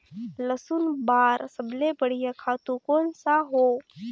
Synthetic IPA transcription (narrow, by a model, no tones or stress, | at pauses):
ləsunbaːɾsəblepəɽ̤ijakʰaːt̪ũkoːnsaɦoː